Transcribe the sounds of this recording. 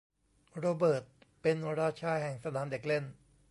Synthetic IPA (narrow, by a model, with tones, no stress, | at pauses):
ɾoː˧bɤː˨˩t̪̚pe˧nɾaː˥˩t̪̚t͡ɕʰaː˥˩jhɛ˨˩ŋsa˧naː˩˦mde˨˩k̚le˥˩n